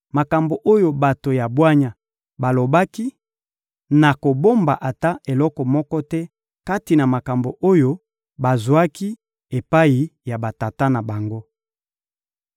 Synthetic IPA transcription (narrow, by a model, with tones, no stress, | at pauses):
ma˨ka˨mbo˨ʔo˦jo˦˨ba˨to˨ja˨bwa˦ɲa˨ | ba˨lo˨ba˦ki˦ | na˨ko˨bo˦mba˨ʔa˨ta˦e˨lɔ˦kɔ˨mɔ˦kɔ˦tɛ˦ | ka˦ti˨na˨ma˨ka˨mbo˨ʔo˦jo˦ | ba˨zwa˦ki˦ | e˨pa˦i˨ja˨ba˨ta˨ta˦na˨ba˨ŋɡo˦